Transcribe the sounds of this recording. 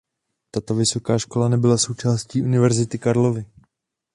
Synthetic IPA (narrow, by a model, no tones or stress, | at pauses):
t̪at̪o̞vɪso̞kaːʃko̞lanɛbɪlaso̞wt͡ʃaːsciːʔunɪvɛɾzɪt̪ɪkaɾlo̞vɪ